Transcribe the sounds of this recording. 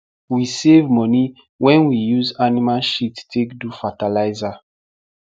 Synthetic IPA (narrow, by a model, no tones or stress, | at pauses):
wisevmɔni | wɛ̃nwijuzanimalʃitːekdufatalaɪza